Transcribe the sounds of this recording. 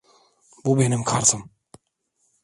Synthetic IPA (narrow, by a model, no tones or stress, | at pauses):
bubenimkʰaɾsɯm